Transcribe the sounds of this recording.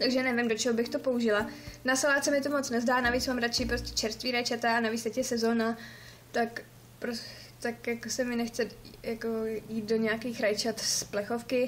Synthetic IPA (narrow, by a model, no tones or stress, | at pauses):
t̪aɡʒɛnɛvɪmdo̞t͡ʃɛɦobɪxt̪o̞po̞uʒɪlanasalaːt̪sɛmɪt̪o̞mot͡snɛzdaːnaviːt͡smaːmɾat͡ʃiːpɾoscʲɛ̥t͡ʃɛɾst̪viːɾajt͡ʃat̪anavit͡st̪ɛcjɛsɛzo̞ːna | t̪ak | pɾos | t̪akjakosɛmɪnɛxt͡sɛjako̞jiːt̪̚do̞ɲɛakiːxɾajt͡ʃat̪splɛxo̞fkɪ